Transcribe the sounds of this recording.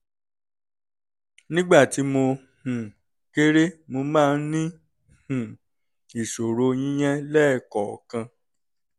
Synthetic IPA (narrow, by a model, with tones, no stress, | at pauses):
nĩ˦ɡ͡ba˦˨ti˨˦mo˧ | hũ˨ | ke˦ɾe˦mo˧mãː˦˧˦n̩˦nĩ˦ | hũ˨ | i˨ʃo˨ɾo˧˦j̃ĩ˦j̃ɛ̃˦lɛ˦˨kɔ˨kã˧